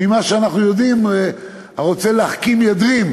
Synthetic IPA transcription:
imaʃeanaχnujo̞d̪im | haʁo̞t͡se̞leaχkimjad̪ʁim

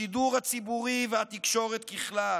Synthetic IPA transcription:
id̪uʁhat͡sibuʁivehat̪ikʃo̞ʁet̪kiχla

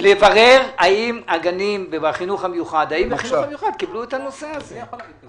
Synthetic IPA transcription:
levaʁe̞ʁaimaɡanimbaχinuχamejuχad̪aimbaχinuχamejuχad̪̚kibluetano̞seazeol

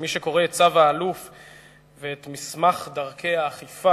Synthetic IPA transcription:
miʃeko̞ʁeːt̚t͡savaːluf | veːt̪mismaχd̪aʁkʰe̞jaːχifa

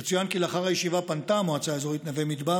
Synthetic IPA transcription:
et͡sujankileaχaʁajeʃivapant̪amoat͡saezo̞it̪navemid̪ba

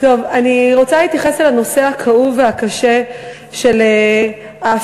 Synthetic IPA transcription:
to̞vaniʁo̞t͡saliːt̪jaχeselano̞sehakʰauveakaʃe | ʃe̞le | a

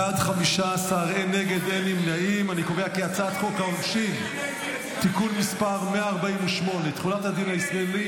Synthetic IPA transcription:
adχamiʃaːsaːʁene̞ɡe̞d̪elimnaimaniko̞veakeat͡sat̪χo̞kaonʃi | tikunmispaʁmeaːʁbaimeʃmo̞net̪χunathad̪inaisʁaeli

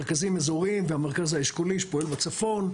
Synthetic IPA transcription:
ʁkazimezoʁimvehameʁkazhaiʃkoliʃe̥poe̞lbat͡safo̞n

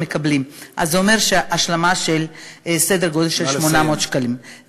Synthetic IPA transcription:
mekablimʔa̰zːeome̞ʁʃeʔaʃlamaʃelsed̪eʁɡo̞d̪elʃelʃmo̞nameot̪ʃkalim

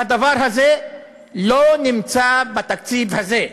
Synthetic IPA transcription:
at̪avaɾɦaze | lonimt͡sabat̪ak̚t͡sibhaze

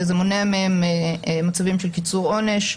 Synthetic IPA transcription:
zemoneamehemmat͡savimʃelkit͡suʁo̞ne̞ʃ

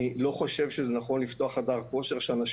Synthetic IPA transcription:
ilo̞χo̞ʃe̞vʃezenaχo̞nlift̪o̞aχadaʁko̞ʃeʁʃeanaʃ

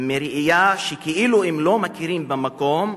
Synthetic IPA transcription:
meɾʔijaʃekeʔiluemlo̞makiɾimbamako̞m

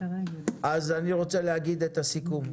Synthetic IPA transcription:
ʔazaniʁo̞t͡selehaɡid̪et̪asikum

